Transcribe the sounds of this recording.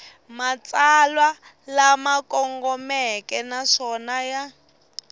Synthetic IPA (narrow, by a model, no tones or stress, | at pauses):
mat͡salwa | lamakɔŋɡɔmɛkɛnaʂɔnaja